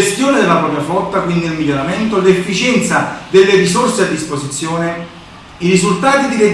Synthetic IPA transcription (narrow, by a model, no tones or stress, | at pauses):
st̪joːned̪elapɾɔːpɾjafɔt̪ːakwind̪iilmiʎːoɾament̪olefːit͡ʃɛnt̪sad̪elːerisorsead̪ːispozit̪sːjoːne | iɾizult̪aːt̪id̪ile